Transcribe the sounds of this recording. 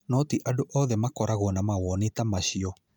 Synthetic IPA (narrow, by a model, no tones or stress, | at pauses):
nɔtiʔadoʔɔðɛmakɔɾaɣɔnamaɣwɔnetamaɕiɔ